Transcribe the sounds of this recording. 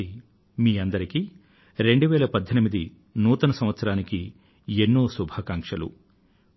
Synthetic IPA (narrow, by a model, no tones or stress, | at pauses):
i | miːɐnd̪ɐɾiki | ɾe̞ɳɖuʋɛːlɐpɐd̪ʱːɐnimid̪i | nuːt̪ɐnɐsɐmʋɐt̪sɐɾaːniki | enːoːsubʱaːkaːŋkʂɐlṵ